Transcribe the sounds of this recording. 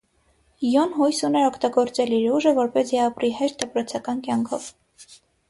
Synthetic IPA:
jɔnɦɔjsunɛɾɔkʰt̪ɑɡɔɾt͡sɛliɾuʒəvɔɾpɛsiɑpɾiɦɛʃt̪̚d̪əpɾɔt͡sʰɑkɑnkjɑŋkʰɔv

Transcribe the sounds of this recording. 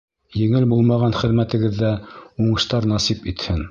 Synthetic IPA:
jɘ̆ŋɘlbulˠmɑʁɑnχɘ̆ðmæt̪ɘ̆ɡɘ̆ðːæuɴɤ̆ʃt̪ɑɾnɑsipit̪hɘn

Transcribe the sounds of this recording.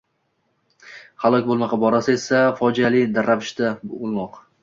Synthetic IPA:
halˠɒkʲbolˠmaqɑbɒɾasaesafɒd͡ʒalɪd̪aɾːavɪʃt̪aolˠmɒq

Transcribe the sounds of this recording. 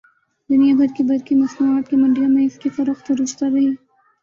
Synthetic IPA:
d̪ʊnijaɡʱɐɾkibɐɾkimɐsmuaːt̪̚kimɐɳɖijamẽɪskifɐɾəxt̪ɾʊst̪aɾɐɦiː

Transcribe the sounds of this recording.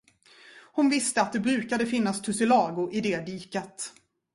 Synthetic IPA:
hʊnvɪst̪əat̪̚d̪ɛbɾʉ̟ːkad̪əfɪnːast̪ʰɵsɪlɑːɡʊʔɪd̪ɛːd̪iːkat̪

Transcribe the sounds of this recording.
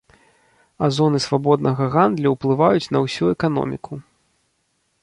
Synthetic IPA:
azɔnɨsvabɔd̪nɐɣɐɣand̪lʲɐwplˠɨvajut͡sʲnɐwsʲuɛkanɔ̰mʲiku

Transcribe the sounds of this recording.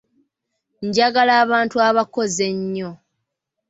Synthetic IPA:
ɲɟaɡalaːβaːntuaβako̞ze̞ɲːo̞

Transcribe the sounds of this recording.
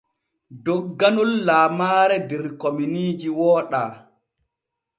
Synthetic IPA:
dɔɡːanulːaːmaːɾɛdɛɾkominiːd͡ʒiwɔːɗaː

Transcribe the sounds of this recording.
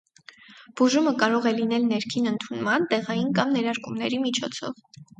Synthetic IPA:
b̥uʒuməkɑɾɔʁɛlinɛlnɛɾkʰinənt̪ʰunmɑnt̪ɛʁɑjinkɑmnɛɾɑɾkumnɛɾimit͡ʃʰɔt͡sʰɔ̰v

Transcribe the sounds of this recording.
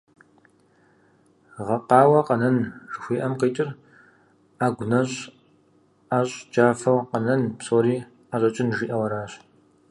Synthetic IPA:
ʁɐqɑːwɐqɐnɐnʐɨxʷiːʔɐmqiːtʼɪr | aːɡʷʊnɐɕ | aːɕʼd͡ʒaːfɐwqɐnɐnpsoːɾiː | aɕʷʼɐt͡ʃʼɪnʒiːʔɐwɐɾaːɕ

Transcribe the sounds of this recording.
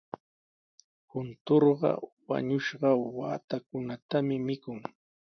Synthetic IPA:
hʊnt̪oɾɢɑ̰wa̰ɲʊʃɢɑwa̰ːt̪ak̚ʊnat̪amɪmɪkʊŋ

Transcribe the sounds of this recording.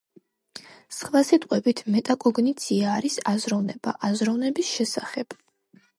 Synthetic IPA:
sχvasit̪ʼqʼwɛbit̪ʰmɛt̪ʼakʼɔɡnit̪sʰiaːɾisazɾɔvnɛb̥a̰ʔazɾɔvnɛbisʃɛsaχɛb̥

